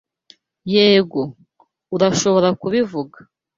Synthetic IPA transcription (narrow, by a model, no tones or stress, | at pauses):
je̞ːɡo̞ | uɾaʃo̞βo̞ɾakuβivuɡa